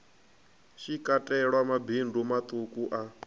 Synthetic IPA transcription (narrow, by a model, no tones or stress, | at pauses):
ʃikʼatʼɛɺwamabʱindʱumat̪ʼukʼuʔa